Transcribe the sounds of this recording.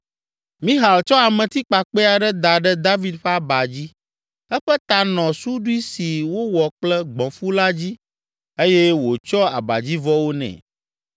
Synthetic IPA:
mĩ˦ɦa˨lt͡ʃɔ˦a˨mɛ̃˨t̪i˦k͡pa˨k͡pɛ˦a˨ɖɛ˦d̪a˨ɖɛ˦d̪a˦vi˨d̪ɸɛ˦a˦ba˨d͡ʑi˦ | ɛ˦ɸɛ˦t̪a˨nɔ̃˨su˦ɖu˦i˦si˨wo˦wɔ˨k͡plɛ˦ɡ͡bɔ̃˨fu˦la˦d͡ʑi˦ | e˦jɛ˦wo˨t͡ʃɔ˦a̰˨ba̰˨d͡ʑi˦vɔ˦wo˦nɛ̰̃˨

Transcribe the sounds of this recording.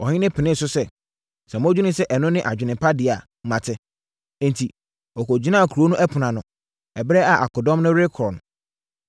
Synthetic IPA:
ɔ˨hɪ̃˦nɪ̃˦pʰɪ˨nɪ̃˦˨sʊ˦sɛ˦ | sɛ̃˨m˦ɔ̃˦d͡ʑᶣu˦nʊ̃˦sɛ˦ʔɛ˨nʊ̃˦nɪ̃˦ʔa˨d͡ʑᶣɪ˨nɪ̃˨pʰa˦dɪ˨a˨mã˨tʰɪ˦ | ɪ̃˨ntʰi˨ | ɔ˨kɔ˨d͡ʑi˦nã˦a˨kʰu˨ɾo˦nũ˦ʔɛ˦pʰʊ˨nã˨nʊ̃˨ | ɛ˨bɾɛ˦a˨ʔa˨kɔ˨dɔ̃˦m˦nʊ̃˦ɾe˦kʰɾɔ˨n˨

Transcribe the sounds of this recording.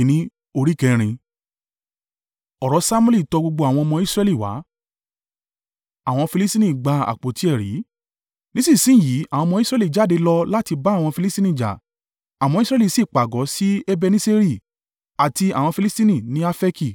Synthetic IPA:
nĩ˦ | o˧ɾi˦˨kɛ˧ɾ̃ĩ˧ | ɔ˨ɾɔ˨˦sa˦mu˦li˦˨tɔ˧ɡ͡bo˧ɡ͡bo˧a˨w̃ɔ̃˧ɔ˧mɔ̃˧i˦sɾɛ˧˦li˦˨wa̰˨˦ | a˦˨w̃ɔ̃˧fi˧li˦sti˦nĩ˦˨ɡ͡ba˧˦a̰˨k͡po˨ti˨˦ɛ˦˨ɾḭ˨˦ | nĩ˦sĩ˦˨sĩ˦˨ji˨˦a˨w̃ɔ̃˧mɔ̃˧i˦sɾɛ˧˦li˦˨d͡ʒa˨˦˨de˧lɔ˧la˦ti˧ba˦˨w̃ɔ̃˧fi˧li˦stĩ˦nĩ˦˨d͡ʒa̰˨ | a˨w̃ɔ̃˧i˦sɾɛ˧˦li˨si˦˨k͡pa˨ɡɔ˨˦si˦e˦bɛ˧nĩ˦se˦ɾi˦˨ | a˨ti˧a̰˨w̃ɔ̃˧fi˧li˦stĩ˦nĩ˦˨nĩ˨˦a˦fɛ˦ki˦˨

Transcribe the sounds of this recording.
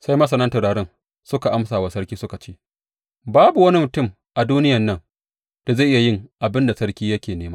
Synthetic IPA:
sa˦jmɐ˦sɐ˨nɐ˦ntɐ˨ɽaː˨ɽɪ˦ŋ | sʊ˦ka˨ʔa˦msaː˨wa˨sɐ˦ɽkʲiː˦sʊ˦ka˨t͡ʃeː˦ | baː˦bu˨wɐ˦ni˦mʊ˨tʊ˦˨m | ʔa˨duː˦nɪ˦jɐ˨nːɐ˦ŋ | d̥a˨za˦˨ʔɪ˦ja˨jɪ˦ŋʔa˨bɪ˦nda˨sɐ˦ɽkʲiː˦jɐ˦kʲeː˨neː˦maː˦

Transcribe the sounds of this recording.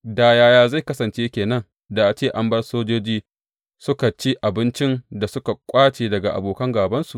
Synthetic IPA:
daː˨jaː˨˦jaː˨za˦˨jkɐ˦sɐ˨nt͡ʃeː˦kʲeː˨nɐ˦n | da˨ʔa˨t͡ʃeː˦˨ʔa˦mbɐ˦rsoː˦d͡ʒoː˦d͡ʒiː˦ | sʊ˦ka˨t͡ʃi˦ʔa˨bɪ˦nt͡ʃɪ˦nda˨sʊ˦ka˨kʷʼaː˦t͡ʃeː˨dɐ˨ɡa˨ʔa̰˨boː˨kɐ˦ŋɡaː˨bɐ˦nsu˨ʔ

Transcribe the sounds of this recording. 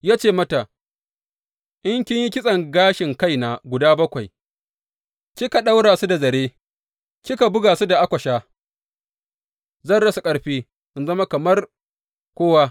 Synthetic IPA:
jaː˦t͡ʃeː˦˨mɐ˦ta˨ | ʔɪ˦ŋkʲɪ˦ɲji˦kʲɪ˦sʼɐ˨ŋɡaː˦ʃɪ˨ŋka˦jna˨ɡʷʊ˨daː˦bɐ˦kʷa˨j | kʲɪ˦ka˨ɗa˦wɽaː˨su˦da˨zɐ˨ɽeː˦ | kʲɪ˦ka˨bʊ˦ɡaː˨su˦da˨ʔa˦kʷɐ˨ʃaː˦ | zɐ˦˨nɽɐ˦su˨kʼɐ˦ɽɸiː˦ | ʔɪ˦nzɐ˦ma˦kɐ˨mɐ˦r | kʷoː˦wa˦

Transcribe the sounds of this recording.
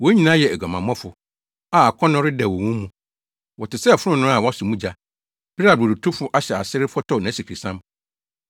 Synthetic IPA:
wɔ˦ɲĩ˨nã˦jɛ˨æ˨ɡa˨mã˨m˦ɔ̃˦fʊ˨ | a˨a˨kʰɔ̃˦nʊ̃˦ɾɪ˦dɛ˨wɔ˨wũ˦mũ˨ | wɔ˨tɪ˨sɛ˦˨fʊ˦ɾʊ̃˦nʊ̃˦a˨wɔ˦sʊ˨mũ˦d͡ʑa˨ | b̥i˦ɾa˨bo˨ɾu˨tʰu˦fʊ˨˦ʔa˦ɕɛ˨a˨sɪ˦ɾɪ˦fɔ˦tʰɔ˦˨nã˨˦si˨kʰi˨sã˦m

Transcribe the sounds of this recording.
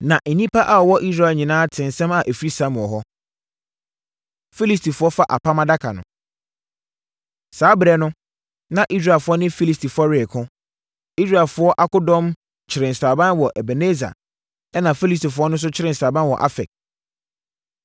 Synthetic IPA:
nã˨ʔ̩˨nĩ˦pʰa˦ʔa˦˨ɔ˨wɔ˦ʔi˦s̬ɾa˦˨lɲĩ˨nãː˦tʰɪ̃˨n̩˨sɛ̃˦ma˨ʔe˨fi˦sã˦m˨ɔ˨ɦɔ˦ | fi˦li˦stʰi˨fʊ˦ɔ˦fa˦ʔa̰˨pʰa˦mã˦da˦kʰa̰˨nʊ̰̃˨ | saː˨˦bɾɛ˨nʊ̃˦ | nã˨ʔi˦s̬ɾa˨fʊ˦ɔ˦nɪ̃˦fi˦li˦stʰi˨fɔ˦ɾɪ˨kʰʊ̃˦ | i˦s̬ɾa˨ɛ˨lfʊ˨˦ɔ˦ʔa˦kʊ˦dɔ̃˦m | t͡ɕʰɪ˨ɾɪ̃˨n̩˨saː˨bã˦nwɔ˨ʔɛ˨bɛ˨ne˦za̰˨ | ɛ˦nã˨fi˦li˦s̬ti˨fʊ˦ɔ˦nʊ̃˦s̬ʊ˦t͡ɕʰɪ˦ɾɪ̃˨n̩˨saː˨bã˦n˦wɔ̰˨ʔa̰˦fɛ̰˨k̚

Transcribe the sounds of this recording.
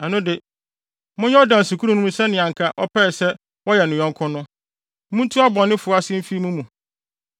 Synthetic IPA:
ɛ˨nʊ̃˦dɪ˨ | mʊ̃˦ɲɛ˦ɔ˦dã˨n̩˨su˨kʰu˦ɾũ˦nũ˦ũ˦sɛ˦nɪ̃˨ã˨ŋ̩˨kʰa˦ʔɔ˦pʰɛ˦˨sɛ˦ | wɔ˦jɛ˨nʊ̃˨jɔ̃˦ŋ˦kʰʊ̃˦nʊ̃˦ | mũ˦n˦tʰu˦a˦bɔ̃˨nːɪ̃˦fʊ˨ɔ˦a˦sɪ˦m̩˦fi˦mũ˦mũ˨

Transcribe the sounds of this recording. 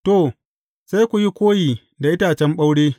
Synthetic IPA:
to˨ | sa˦kʷu˨ji˦kʷoː˦jiː˨ | da˨ʔɪ˦taː˨t͡ʃɛ˦mɓa˦wɽeː˦

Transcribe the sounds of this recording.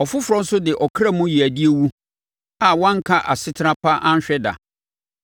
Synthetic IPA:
ɔ˨fʊ˦fʊ˨ɾɔ̃˦n̩˦sʊ˦dɪ˨ʔɔ˨kʰɾa˦mʊ̃˦ji˨æ˨di˦e˦wu˦ | a˨wɔ̃˦ŋ̩˦kʰa˦ʔa̰˨sɪ˦tʰa˦pʰa˦ʔã˦ɲ˦ɕᶣɛ˦da̰˨

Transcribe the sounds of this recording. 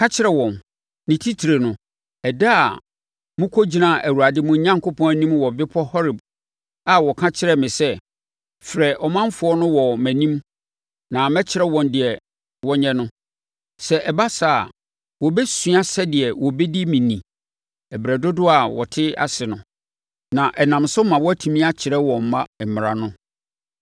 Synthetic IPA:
kʰã˦t͡ɕʰɪ˦ɾɛ˨wɔ̃˨n | nɪ̃˨tʰi˦tʰi˨ɾe˨nʊ̃˨ | ɛ˨da˦a˨ | mʊ̃˦kʰɔ˦d͡ʑi˨nã˦˨ʔæ˨wu˨ɾa˨dɪ˦mʊ̃˨˦ɲã˦ŋkʰo˦pʰɔ̃˦æ˨nĩ˦mwɔ˨bɪ˦pʰɔ˦hɔ˦ɾɪ˨b | a˨wɔ˨kʰã˦t͡ɕʰɪ˦ɾɛ˨mɪ̃˨sɛ˦ | fɾɛ˨ʔɔ˨mã˦mfʊ˨ɔ˦nʊ̃˦wɔ˨mæ̃˨nĩ˦m | nã˨mɛ˦t͡ɕʰɪ˦ɾɛ˦wɔ̃˨ndɪ˨ɛ˨ | wɔ˦ɲɛ̃˦nʊ̃˦ | sɛ˨ʔɛ˨ba˦sa̰˦˨ | wɔ˨bɛ˦sũ˦a˦sɛ˦dɪ˨ɛ˨wɔ˨bɛ˦di˦mĩ˨nĩ˨ | ɛ˨bɾɛ˨dʊ˦dʊ˦a˨wɔ˨tʰɪ˦a̰˨sɪ˨nʊ̃˨ | nã˨ʔɛ˨nã˨msʊ˦mã˨wɔ˦æ˦tʰu˨mĩ˦a˦t͡ɕʰɪ˨ɾɛ˦wɔ̃˨m̩˨mã˦˨mɪ˨ɾa˨nʊ̃˦

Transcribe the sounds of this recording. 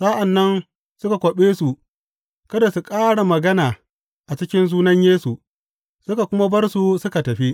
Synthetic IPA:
sa˦ʔa˨nːɐ˦n | sʊ˦ka˨kʷɔ˨ɓeː˦su˨ | kɐ˦da˨su˨kʼaː˦ɽa˨mɐ˨ɡɐ˦naː˨ | ʔa˨t͡ʃɪ˦kʲɪ˦nzuː˦nɐ˦ɲjeː˦su˨ | sʊ˦ka˨kʷʊ˦ma˦bɐ˦rsu˨sʊ˦ka˨tɐ˨ɸi˦ʔ

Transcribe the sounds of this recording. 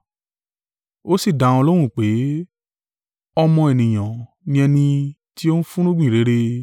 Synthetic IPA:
o˦si˦˨dã˨ɔ˧lo˦ɾ̃ũ˦˨k͡pe˨˦ | ɔ˧mɔ̃˧ɛ˨nĩ˨j̃ã˨ | nĩ˧ɛ˧nĩ˧ | ti˦o˦n̩˦fũ˦ɾ̃ũ˦ɡ͡bĩ˦˨ɾe˨˦ɾe˧

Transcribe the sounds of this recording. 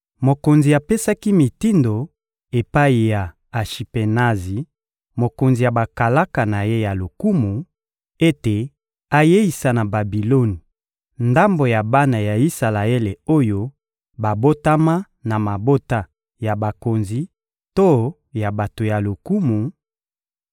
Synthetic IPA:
mo˨ko˨nzi˨a˨pe˦sa˦ki˦mi˨ti˦ndo˨ | e˨pa˦i˨ja˨ | a˨ʃi˨pe˨na˦zi˨ | mo˨ko˨nzi˨ja˨ba˨ka˨la˦ka˨na˨je˦ja˨lo˨ku˦mu˨ | e˦te˨ | a˨je˦i˨sa˨na˨ba˨bi˨lo˦ni˨ | nda˦mbo˨ja˨ba˦na˨ja˨i˦sa˨la˨e˦le˨o˦jo˦ | ba˨bo˦ta˦ma˦ | na˨ma˨bo˦ta˦ | ja˨ba˨ko˨nzi˨ | to˦ | ja˨ba˨to˨ja˨lo˨ku˦mu˨

